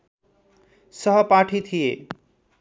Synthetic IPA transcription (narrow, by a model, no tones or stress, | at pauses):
sʌɦʌpaʈʰit̪ʰije